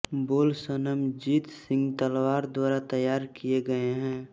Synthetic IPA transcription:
boːlsənəmd͡ʒiːt̪sɪ̃ŋɡt̪əlwaːɾd̪waːɾat̪ɐjaːɾkijeɡɐeɦɛ̃ː

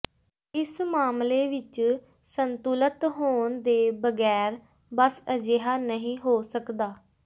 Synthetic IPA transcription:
ɪsmaːmleːʋɪt͡ʃ | sənt̪ulət̪ɦoːɳnd̪eːbəɡɛːɾ | bəsəd͡ʒeːɦaːnəɦĩːɦoːsəkd̪aː

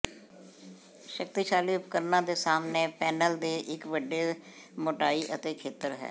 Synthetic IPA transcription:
ʃəkt̪iʃaːliːʊpkəɾnãːd̪eːsaːmneːpɛːnəld̪eːʔɪkʋəɖːeːmoʈaːiːʔət̪eːkʰeːt̪əɾɦɛ̰ː

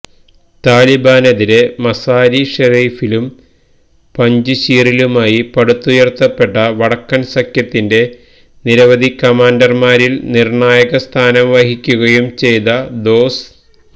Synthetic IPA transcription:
t̪aːlibaːnɐðiɾe̞mɐsaːɾiʂɐriːfilum | pɐɲd͡ʑuɕiːrilumaːjipɐɽut̪ːujert̪ːɐpːe̞ʈːɐʋɐɽɐkːɐnsɐkjɐt̪ːinde̞ | niɾɐʋɐd̪ʱikɐmaːndɐrmaːɾilnirɳaːjɐɣɐst̪ʰaːnɐmʋɐhikʲːuɣɐjumt͡ɕe̞jt̪ɐd̪o̞ːs

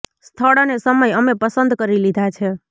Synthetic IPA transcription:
st̪ʰəɽonesəməjəmepəsənd̪kəɾilid̪ʱat͡ʃʰe

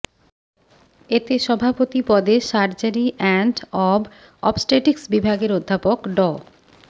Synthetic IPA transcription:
et̪eʃɔbʱapot̪ipɔd̪eʃaɾd͡ʑaɾiʔɛɳʈɔb | ɔ̰psʈeʈiksbibʱaɡeɾod̪ʱːapokɖɔ

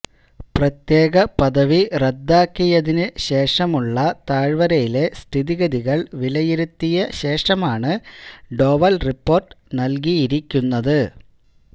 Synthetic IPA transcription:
prɐt̪je̞ːɣɐpɐðɐʋired̪ːaːkːijɐðinɨɕe̞ːʂɐmuɭːɐt̪aːɻʋɐɾɐjile̞st̪ʰiðiɣɐðiɣɐɭʋilɐjiɾut̪ːijɐɕe̞ːʂɐmaːɳɨɖo̞ːʋɐlripːo̞ːrʈɨnɐlk̬ijiɾikʲːunːɐðɨ

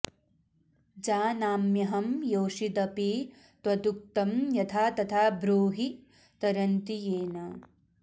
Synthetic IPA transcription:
d͡ʒaːnaːmjɐɦɐmjoːʃid̪ɐpi | t̪ʋɐd̪uk̚t̪ɐmjɐt̪ʰaːt̪ɐt̪ʰaːbɾuːɦi | t̪ɐɾɐnt̪ijeːnɐ

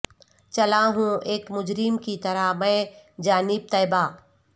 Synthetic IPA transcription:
t͡ʃɐlaːɦũːeːkmʊd͡ʒɾɪmkit̪ɐɾamə̃ːd͡ʒaːnɪb̚t̪ɐːɪbaː

